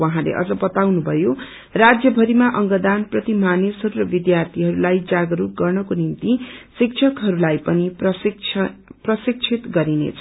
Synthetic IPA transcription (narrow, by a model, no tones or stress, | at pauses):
wʌɦãlḛʔʌ̰d͡zʌbʌt̪awnubʱʌjo | rad͡zjʌbʱʌɾimaʔʌŋɡʌd̪anprʌt̪imanesɦʌɾuɾʌbid̪jart̪ʰiɦʌɾulajd͡zaɡʌɾuɡʌrnʌkonimt̪isik̚t͡ʃʰʌkɦʌɾulajpʌnipʌ | prʌsik̚t͡sʰit̪ɡʌɾinḛt͡sʰʌ